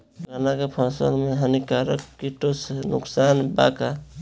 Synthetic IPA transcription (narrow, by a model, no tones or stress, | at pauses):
ɡanakepʰãsə̰lmeɦənikaɾə̰kːiʈosnʊ̰ksanba̰ka